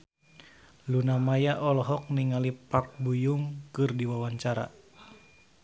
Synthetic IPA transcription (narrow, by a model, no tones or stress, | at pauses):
lunamajaʔɔlɔɦɔk̚niŋalipak̚bujuŋkɨrdiwawaɲt͡ʃaɾa̰